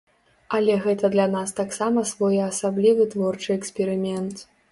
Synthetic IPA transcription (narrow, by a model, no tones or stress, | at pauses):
ɐlʲɛɣɛt̪ɐd̪lʲanast̪aksamɐsvɔjɐsablʲivɨt̪vɔrt͡ʂɨɛksʲpʲɛɾɨmʲɛnt̪